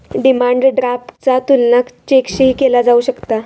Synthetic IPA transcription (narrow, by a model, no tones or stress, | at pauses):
ɖimaɳɖɖɾaft͡sat̪ulːakt͡ɕekɕikelad͡zauɕəkt̪a